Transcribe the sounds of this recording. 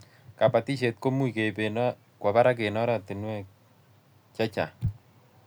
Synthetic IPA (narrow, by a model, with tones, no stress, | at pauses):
ka˨pa˨ti˦ʃe˨t̚ko˦mu˦i˨ke˨pen | kwa˨ba˦ɾa˦k̬e˨nɔ˦ɾa˦ti˨nwɛ˦ | t͡ʃa˦t͡ʃa˨